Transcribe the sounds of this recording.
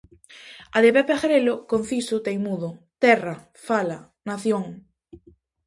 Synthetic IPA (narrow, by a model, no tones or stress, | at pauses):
aðepepexeɾelokon̟θisʊt̪ejmuðot̪ɛra | fala | naθjoŋ